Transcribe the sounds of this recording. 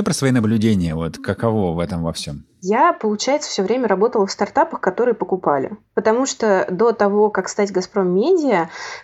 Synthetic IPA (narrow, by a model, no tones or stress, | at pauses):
opɾəsvɐinəblʲʉdʲenʲɪjəvot̪kəkɐvo̞vɛt̪əmvɐfsʲo̞m | japəlˠʊt͡ɕæjɪt̪sə̥fsʲɵvɾʲemʲəɾɐbo̞t̪əlˠəfst̪ɐrt̪apəxkɐt̪o̞ɾɨjəpəkʊpalʲɪ̰pət̪ɐmuʂt̪od̪o̞t̪ɐvo̞kakst̪atʲɡɐspɾo̞mːʲedʲɪə